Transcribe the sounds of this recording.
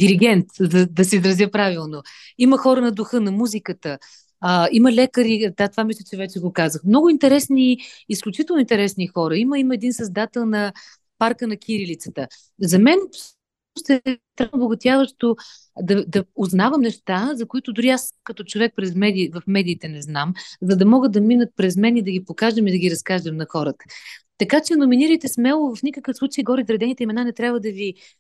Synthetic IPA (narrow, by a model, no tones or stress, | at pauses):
d̪iɾiɡɛnt̪zɐd̪ɐsɛizɾɐzʲjəpɾavilˠno | iməxɔɾənɐd̪ʊxɤnɐmuzikət̪ə | əiməlɛkəɾid̪at̪ovamislʲət͡ʃɛvɛt͡ʃɛɡokazəxmnɔɡʊint̪ɛɾɛsniːsklʲʊt͡ʃit̪ɛəlˠnʊint̪ɛɾɛsnixɔɾəiməiməɛd̪insɐzd̪at̪ɛlˠnɐ | paɾkənɐkʰʲiɾilit̪sə̥t̪ə | zɐmɛnfsʃəʃnost̪ɛt̪ɾanboɡʊt̪ʲjavəʃt̪o | d̪ɐd̪ɐoznavəmnɛʃt̪azɐkʊit̪ʊd̪ʊɾiaskɐt̪ɔt͡ʃovɛk̚pɾɛzmɛd̪iːvɐfmɛd̪iːt̪ɛnɛznamzɐd̪ɐmɔɡəd̪̚d̪ɐminət̪̚pɾɛzmɛnid̪ɐɡʲipokaʒd̪əmid̪ɐɡʲiɾɐskaʒd̪əmnɐxɔɾət̪ə̥t̪ɐkat͡ʃɛnʊminiɾəjt̪ɛsmɛlˠʊvɐfnʲikəkəfsˠut͡ʃəiɡɔɾizɾɐd̪ɛnit̪ɛimɛnanɛt̪ɾʲabvəd̪ɐvi